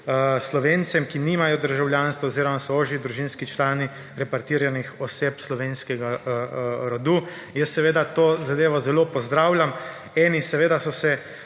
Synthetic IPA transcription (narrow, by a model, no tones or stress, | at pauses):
əslɔʋent̪sɛmkinimajɔd̪əɾʒawljaːnst̪ʋaːziːɾɔmasɔoːʒid̪ɾuʒinskit͡ʃlaːni | ɾɛpaɾt̪iːɾjanixɔseːpslɔʋenskɛɡa | ɾɔd̪uː | jəsːɛʋeːd̪at̪oːzad̪eːʋɔzɛlopɔzd̪ɾaːwlʲjam | ɛːnisɛʋeːd̪asɔsɛ